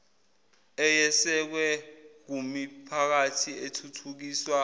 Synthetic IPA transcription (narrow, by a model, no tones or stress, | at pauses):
ɛjɛsɛk̬wɛk̬umipʰak̬atʰietʰutʰuk̬iːswa